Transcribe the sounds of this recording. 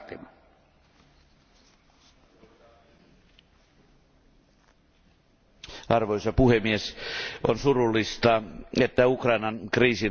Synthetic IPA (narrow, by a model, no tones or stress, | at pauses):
t̪imɑ | ɑrʋoisɑpuhemːiesonsurulːist̪ɑet̪ːæukrɑinɑŋkriːsin